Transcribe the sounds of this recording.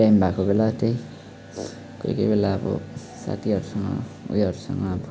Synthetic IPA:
ajmbʱakobelat̪ej | ko̰jkʌjbelaʌbʌ̰ | sa̰t̪ʰiɦʌɾusʌŋʌ̰ṵjʌɾusʌ̰ŋʌːbʌ

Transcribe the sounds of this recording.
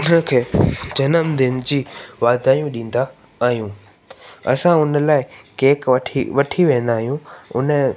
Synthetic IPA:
ʊnəkʰeːd͡ʑɐnəmd̪ɪnd͡ʑiːʋaːd̪aːjũɗĩːn̆d̪aː | ɦijũ | ɐ̰sãʊnə̆laːɪkeːkɐʈʰiʋɐʈʰiʋẽːn̆d̪aːɦijũʊ̰nə

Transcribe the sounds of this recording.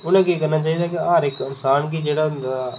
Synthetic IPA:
ʊnẽkikɐɾnat͡ʃaːɦid̪akiaːɾɪkɪnsaːnkid͡ʒeːɽand̪a

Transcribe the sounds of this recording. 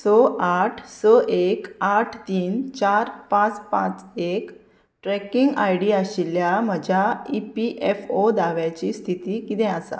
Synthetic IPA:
sɔʔaʈʰsəʔekaʈʰt̪iːnt͡ɕaɾpãt͡spã̰t͡sek | ʈɾɛkiŋɡa̰jɽiːaɕiljam̤əd͡ʑʱaipiʔefod̪aʋjat͡ɕiːst̪ʰit̪iːkit̪ɛ̃asa̰

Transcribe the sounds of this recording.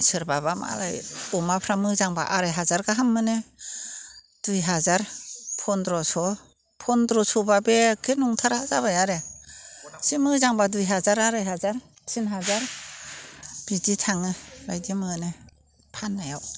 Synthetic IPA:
sɯɾbabama̰la̰jumapʰɾamɯzaŋba̰ʔaɾajɦazaɾɡaɦamːɯne | d̥ujɦazaɾpʰɔndɾɔsɔ | pʰɔndɾɔsɔbabekʰɯnuŋtʰaɾazabajaɾe | simɯzaŋbadujɦazaɾaɾajɦazaɾ | sinɦazaɾ | b̥iditʰaŋɯɾajdimɯne | pʰanːajaw

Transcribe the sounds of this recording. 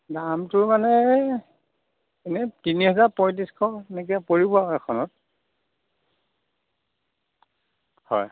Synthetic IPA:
damtʊɹmanɛ | ɛnɛtiniɦɛzapɔjt̬iskʰɔɛnɛk̬ijapoɹibɔaɛkʰɔnɔt̚ | hɔ̰j

